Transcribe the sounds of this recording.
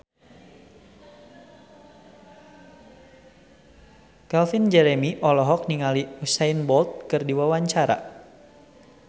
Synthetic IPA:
kɛlfind͡ʒɛɾɛmiʔɔlɔɦɔk̚niŋaliusainbɔlt̪̚kɨrdiwawaɲt͡ʃaɾa̰

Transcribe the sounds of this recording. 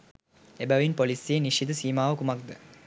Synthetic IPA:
ebɐʋinpolisijeniʃid̪ɨsiːmaːʋɐkumɐk̚d̪ə

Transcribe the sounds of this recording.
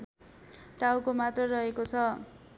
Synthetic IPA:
ʈawkomat̪rʌrʌɦekot͡sʰʌ

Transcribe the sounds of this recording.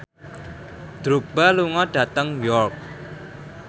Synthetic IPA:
d̪̥ɾuk̚b̥aluŋɔɖ̥ä̤t̪əŋjɔrk̚

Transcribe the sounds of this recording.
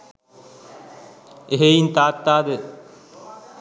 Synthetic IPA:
eɦeint̪aːt̪ːaːd̪e

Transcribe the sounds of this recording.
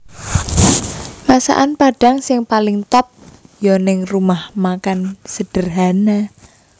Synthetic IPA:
masa̰ʔanpaɖ̥a̤ŋsɪŋpalɪŋt̪ɔp̚jɔnɪŋrumahmakansəɖ̥ə̤rɦana

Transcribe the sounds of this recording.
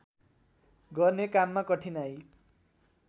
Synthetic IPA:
ɡʌrnekamːakʌʈʰinaj

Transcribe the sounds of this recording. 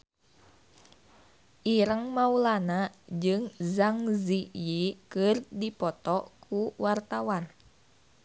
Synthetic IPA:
ʔiɾəŋmaulanad͡ʒɨŋzaŋzijikɨrdipɔt̪ɔkʰuwart̪awan

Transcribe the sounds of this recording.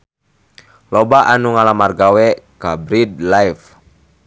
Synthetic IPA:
lɔbaʔanuŋalamarɡawɛkabɾid̪̚lajf

